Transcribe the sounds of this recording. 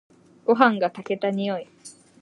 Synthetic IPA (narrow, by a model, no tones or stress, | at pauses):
koɦaŋɡat̪aket̪aɲioj